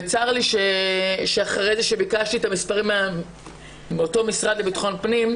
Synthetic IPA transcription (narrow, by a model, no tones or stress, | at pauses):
t͡saʁliʃeʃeaχʁejzeʃe̞bikaʃtiet̪amispaʁim | meoto̞misʁadlebitḁχo̞npnim